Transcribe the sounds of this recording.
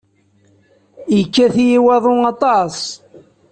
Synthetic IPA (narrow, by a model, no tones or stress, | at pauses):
jəkːæθjiwɑðˤoɑt̪ˤɑsˤ